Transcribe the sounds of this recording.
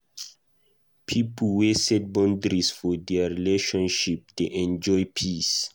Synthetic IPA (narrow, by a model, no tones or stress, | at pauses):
pʰiplwesɛt̚bɔ̃ndɹisfɔdɛaɹileʃɔ̃nʃip̚deʔɛ̃nd͡ʒɔjpʰis